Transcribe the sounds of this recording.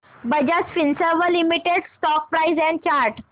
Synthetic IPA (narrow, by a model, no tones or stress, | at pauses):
bəd͡ʑat͡sfinsəʋəlimiʈeɽsʈɔk̚pɾaizɛ̃nt͡ɕaɾʈ